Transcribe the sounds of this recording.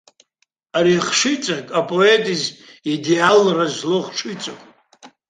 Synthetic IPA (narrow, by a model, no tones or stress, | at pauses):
aɾiχʂɨt͡sʼakʼapʼoetʼiz | idealrazloχʈ͡ʂʰit͡sʼokʼ